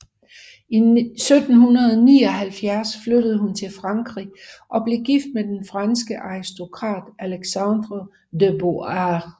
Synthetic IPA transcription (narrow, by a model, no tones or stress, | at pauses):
isød̥n̩hunɐðˠniːɒ̽ɦælfjæɐsflød̥əð̞ˠɦunt͡sʰe̝lfʁɑ̈ŋɡ̥ʁḭʔɒ̽b̥le̝ɡ̥ifd̥̚med̥enfʁɑ̈nsɡ̥əʔɑ̈ʁisd̥o̝kʰʁɑ̰̈ːd̥ʔæleɡ̥sɑnd̥ʁo | deboɑ